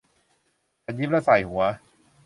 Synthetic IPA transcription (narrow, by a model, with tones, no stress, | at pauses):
ta˧ji˦˥p̚la˦˥sa˨˩jhu˩˦ɐ